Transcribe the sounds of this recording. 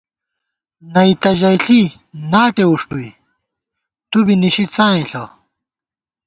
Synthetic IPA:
nɐit̪ɐʑɐjɬi | naːʈeuʂʈui | t̪ubiniɕit͡sãːĩɬɐ

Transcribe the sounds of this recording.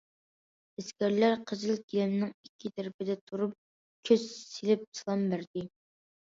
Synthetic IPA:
ɪskʲæɾlæɾqʰəzɨlˠkʲilɪmnɪŋikʲʰːit̪ʰæɾpɪd̪ɛt̪ʰuɾup̚ | kʲʰøzselɪp̚sʰɨlˠɑmbæɾd̪ɪ

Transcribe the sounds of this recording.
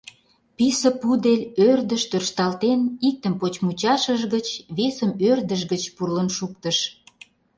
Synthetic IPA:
pisə̆pud̪elʲørd̪əʃt̪ørʃt̪ɑlt̪enik̚t̪əmpot͡ɕmut͡ɕɑʃəʒɣət͡ɕβesəmørd̪əʃɡət͡ɕpurlənʃuk̚t̪əʃ

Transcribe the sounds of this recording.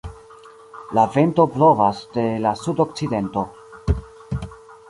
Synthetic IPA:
lave̞nto̞plo̞vasde̞lasudok̚t͡side̞nto̞

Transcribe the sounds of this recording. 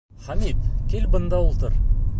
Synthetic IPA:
χæmit̪kʲelbɤ̆nd̪ɑulˠt̪ɤɾ

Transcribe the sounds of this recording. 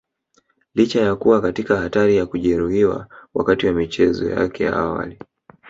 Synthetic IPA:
lit͡ʃajakuwakatikahataɾijakuʄɛɾuhiwa̰wa̰katiwamit͡ʃɛzɔ̰ja̰kɛja̰awa̰li

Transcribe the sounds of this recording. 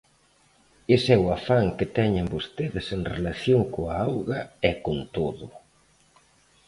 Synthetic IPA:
esɛwafaŋkɪt̪ɛɲembost̪eðɪseŋrelaθjoŋkoaawɣɐɛkont̪oðʊ

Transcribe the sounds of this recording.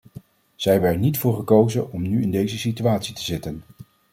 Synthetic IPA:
z̥ɛjbəɛdənitfʊːɹχəkowzənɔmnyɪndejzəsityaːtsitəzɪtən

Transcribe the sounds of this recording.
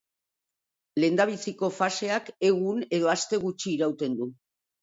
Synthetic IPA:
le̞nd̪aβ̞isiko̞fase̞ake̞ɣ̞une̞ð̞o̞ast̪e̞ɣ̞ut͡ʃiːɾawt̪e̞nd̪u

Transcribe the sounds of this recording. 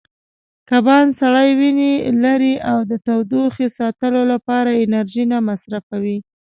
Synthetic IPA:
kabɑnsaɽajwinelaɾiʔawd̪ət̪awd̪uxesɑt̪əlolapɑɾaɪnaɾʒinamasɾafawi

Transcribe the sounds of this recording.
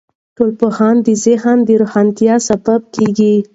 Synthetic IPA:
ʈolpohɑnd̪əzehand̪əɾohɑnt̪jɑsabab̚keɡi

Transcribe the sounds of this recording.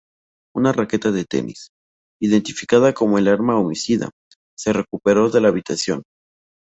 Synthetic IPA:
unarake̞t̪aðet̪e̞̰nḭs | iðe̞nt̪ifi̥kaðako̞mo̞elaɾmaomisiða̰ | se̞re̞kupe̞ɾo̞ðe̞laːβit̪asjo̞̰n

